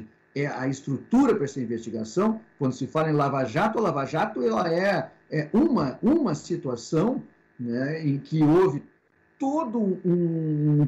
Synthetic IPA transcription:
ɛɐ̰ɪst̪ɾut̪uɾɐpɾɐɛsɐĩvest͡ʃiɡasɐ̃w̃kwɐ̃nd̪ʊsɪfalɐẽlavaʒat̪ʊlavaʒat̪ʊɛlɐɛ | ɛũmɐũmɐsit̪uasɐ̃w̃ | nɛẽkɪovɪ | t̪od̪ʊũ

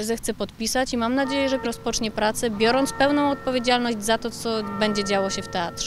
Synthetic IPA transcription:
zɛxt̪sɛpɔt̪pʲisat͡ɕimamnad͡ʑejɛʐɛɾɔspɔt͡ʂɲɛpɾat̪sɛbʲjɔɾɔnt̪spɛwnɔ̃w̃ɔt̪̚pɔvʲjed͡ʑalnɔʑd͡ʑzat̪ɔt̪sɔbɛɲd͡ʑɛd͡ʑawɔɕɛft̪ɛat̪ʂɛ

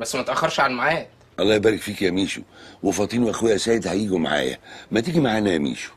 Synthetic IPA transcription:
bæsːmæt̪ʔæxːɑɾˤʃʕanmaʕaːt̪ | ʔɑlˤːɑːjebæːɾɪkfiːkjæmiːʃuwɑfɑt̪ˤiːnwʔæxwejæsæːjed̪hæjiːɡumaʕa̰ːjæ̰mæt̪iɡimaʕaːnæjæmḭːʃu̥

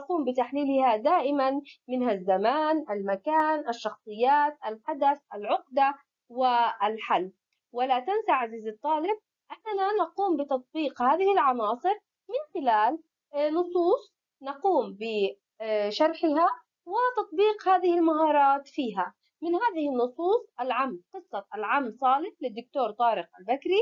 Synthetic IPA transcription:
nɑquːmbɪt̪aħliːlɪhad̪aːʔɪmanmɪnhazːamaːnʔalmakaːnʔaʃːɑxsˤɨjːaːt̪ʔalħad̪aθʔalʕʊqd̪a | wɪalħalː | wɪlat̪ansaʕaziːzɨt̪ˤːɑːlɪb̚ | ʔanːananɑquːmbɪt̪ɑt̪̚ˤbiːqhaːðɪhɪlʕɑnɑːsˤɨɾ | mɪnxɪlaːl | nʊsˤuːsˤ | nɑquːmbɪ | ʃɑɾˤħɪɦa | wɪt̪ɑt̪̚ˤbiːqhaːðɪhɪlmaɦɑːɾˤɑːt̪fiːɦa | mɪnhaːðɪhɪnːʊsˤuːsˤʔalʕamːqɨsˤːɑʔalʕamːsˤɑːlɪħlɪd̪ːʊk̚t̪oːɾˤt̪ˤɑːɾɪq̚ʔalbakɾi

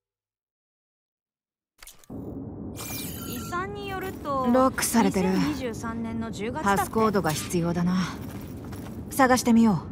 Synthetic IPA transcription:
isãɲːijoɾɯ̟t̪oɾo̞kːɯ̟̥saɾe̞t̪e̞ɾɯ̟ɲiʑɨːsãnːẽnːo̞d͡ʑɨːɡapasɨ̥ko̞ːd̪o̞ɡaçi̥t͡sɨjo̞ːd̪ana | saɡaɕi̥t̪e̞mʲijo̞ː

